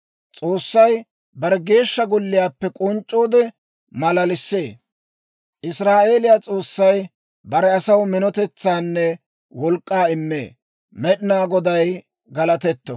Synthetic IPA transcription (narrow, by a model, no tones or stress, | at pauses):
t͡sʼoːsːɐj | bɐɾɛɡe̞ːʃːɐɡɔlːɪjaːpːɛkʼɔnt͡ʃʼːo̞ːd̪ɛ | mɐlɐlɪsːe̞ː | ʔɪsɾaːʔe̞ːlɪjat͡sʼo̞ːsːɐj | bɐɾɛɐsɐwmɪnɔt̪ɛt͡sːaːnːɛ | wɔlkʼːaːɪmːḛː | mɛɗɪnaːɡɔd̪ɐj | ɡɐlɐt̪ɛt̪ːɔ